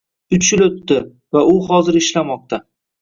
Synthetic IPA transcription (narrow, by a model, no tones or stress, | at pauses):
ʊt͡ʃ̪t͡ʃɪlɵt̪ːɪ | vaʊhɒzɪɾɪʃlamɒq̚t̪ʰa